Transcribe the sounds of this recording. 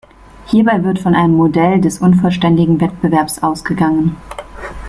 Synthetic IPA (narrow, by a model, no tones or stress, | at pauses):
hiːɐbaɪvɪɐtfɔnʔaɪnəmːodɛldɛsʔʊnfɔlʃtɛndɪɡŋ̩vɛt̚b̥əvɛɐpsʔaʊsɡ̥əɡaŋən